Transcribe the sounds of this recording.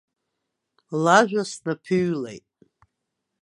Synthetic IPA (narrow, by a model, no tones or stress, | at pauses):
laʒʷᶣasnapʰyɥlḛjtʼ